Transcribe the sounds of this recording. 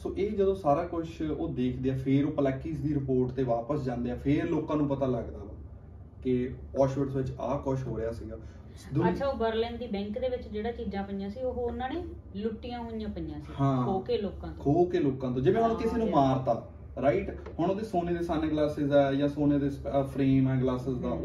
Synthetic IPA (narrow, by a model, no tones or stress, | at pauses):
soːʔeːd͡ʒəd̪õːsaːɾaːkʊʃʰoːd̪eːkʰd̪eːaːpʰeːɾoːpəlɛkːiːsd̪iːɾɪpoːɾʈt̪eːʋaːpəsd͡ʒãːnd̪eːɛːpʰɪɾloːkãːnũːpət̪aːləɡd̪aː | kɪɔːʃoːɖsʋɪt͡ʃa̰ːkʊʃɦoːɾɪjaːsiːɡaː | d̪ʊəʃʰaːoːbəɾlɪ̃nd̪iːbɛ̃ːŋkd̪eːʋɪt͡ʃd͡ʒeːɽãːt͡ʃiːzãːpənɪjãːsiːoɦoʊnːãːneː | lʊʈːijãːɦonɪjãːpənjãːsihãːoːkeːloːkãːt̪ooːkeːloːkãːt̪õːd͡ʒɪʋẽɦənõːkɪseːnũːmaːɾt̪aː | ɾaːɪʈ | hʊɳ̃oːd̪eːsoːneːd̪eːsaːneːɡlaːsɪzɛːjãːsoːneːd̪eːspʰɾeːmɛ̃ːɡlaːsɪzd̪aː